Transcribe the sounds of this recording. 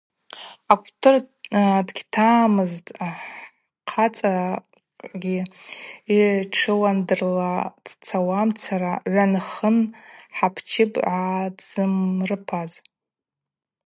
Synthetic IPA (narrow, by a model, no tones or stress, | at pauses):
akʷʰʼtʰɨrdɡʲtʰaːmɨztʼ | qʰat͡sʼa | ɡʲi | iʈ͡ʂʰɨwandɨrlad̥t͡sʰawamt͡sʰaɾaʕʷanχənħapʰt͡ʃʰɪpʼʕadz̥ɨmrɨpʰaz